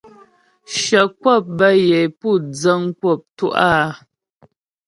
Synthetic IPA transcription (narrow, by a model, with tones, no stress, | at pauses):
ʃə˨kwɔ˦˨p̚bə˦je˨jpu˦˨d͡zə˦ŋ˦kwɔ˦˨p̚tu˦ʔaː˦